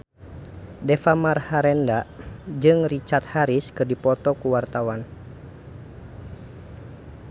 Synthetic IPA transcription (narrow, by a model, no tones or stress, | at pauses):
dɛfamarhaɾɛndad͡ʒɨŋrit͡ʃat̪̚haɾiskɨrdipɔt̪ɔkuwart̪awan